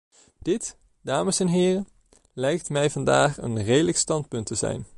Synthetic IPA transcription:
d̥ɪt | d̥aːməsɛnɦɪːrən | lɛjk̚tmɛjvɑndaːχə̰nrejdələkstɑntpɵntəzɛ̰jn

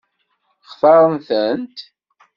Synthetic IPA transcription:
χθɑɾˤənθənt̪

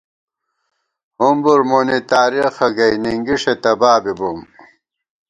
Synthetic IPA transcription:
humbuɾmonit̪aːɾixɐɡɐjniŋɡiʂet̪ɐbaːbibum

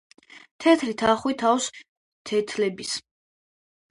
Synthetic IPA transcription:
t̪ʰɛt̪ʰɾit̪ʰaχwit̪ʰaws | t̪ʰɛt̪ʰlɛbis

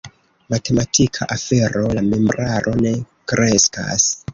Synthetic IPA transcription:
mate̞matʰikʰaʔafe̞ɾo̞lamemɾaɾʔo̞ne̞ | kɾʔe̞ska̰s

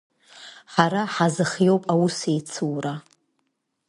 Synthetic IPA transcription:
ħaɾaħazɨχjo̞wpʼawusejt͡sʰɨwra

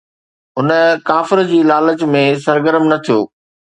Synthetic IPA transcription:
ʊnkaːfɪɾəd͡ʑiːlaːlət͡ɕmẽs̬ɐɾɡəɾəmnɐt̪ʰijoː

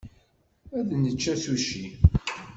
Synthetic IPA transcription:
æðnət͡ʃːæθuʃi

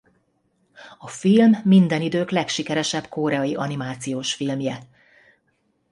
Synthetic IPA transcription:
ɒfilmːind̪ɛnid̪øːklɛkʃikɛɾɛʃɛbkoːɾɛɒjiʔɒnimaːt̪sijoːʃfilmjɛ

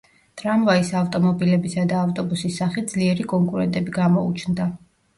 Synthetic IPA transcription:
t̪ʼɾamvaisaft̪ʼɔmɔbilɛbisad̪aːft̪ʼɔbusisːaχid̪zliɛɾikʼɔŋkʼuɾɛnt̪ʼɛbiɡamɔṵt͡ʃʰnd̪a

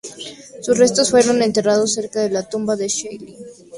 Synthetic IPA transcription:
susre̞st̪osfwe̞ɾo̞ne̞nt̪e̞rað̞osːe̞ɾkaðe̞lat̪umbaðe̞ʃejli

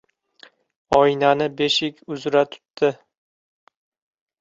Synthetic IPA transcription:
ɒɪnanɪbeʃɪkʲʰʊzɾat̪ʰʊ̥t̪ːɪ

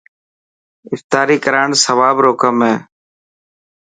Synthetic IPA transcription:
ɪft̪aːɾiːkəɾaːɳsəʋaːbɾoːkəmɦeː

